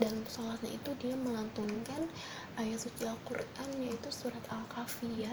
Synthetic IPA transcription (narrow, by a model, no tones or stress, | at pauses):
dansalaɲa̰it̪udiaməlant̪unkan | ʔajasosialkuranjait̪usuɾat̪alkafia